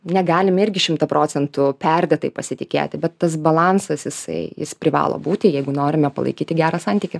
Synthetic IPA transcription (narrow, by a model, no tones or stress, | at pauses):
nʲɛɡɑːlʲɪmɪɾʲɡʲɪʃʲɪmt̪ɐpɾoːt͡s̪ʲɛnt̪ʊpʲɛrʲd̪ʲɛt̪ɐɪpɐsʲɪt̪ʲɪkʲḛːt̪ʲɪbʲɛt̪ːɐs̬bɐlˠɑːnsɐsjɪsɐ̰ɪjɪ̰spʲɾʲɪʋɑ̰ːlˠo̰ːbuːt̪ʲɪjɛɪɡʊnoːɾʲɪmʲɛpɐ̰lˠɐ̰ɪkʲiːt̪ʲɪɡʲæːɾɑsɑnʲt̪ʲiːkʲɪ